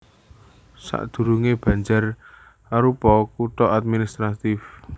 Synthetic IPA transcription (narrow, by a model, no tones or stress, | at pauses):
sa̰ʔd̪̥ṳɾuŋeb̥ä̤ɲd͡ʒar | aɾupɔkut̪ɔʔad̪̚minist̪ɾat̪ɪf